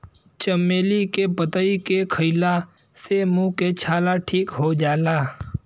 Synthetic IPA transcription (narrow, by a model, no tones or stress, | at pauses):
t͡ʃəmeːlikepət̪əikekʰəɪla | semũket͡ʃʰaːlaʈʰiːkɦod͡ʒaːlaː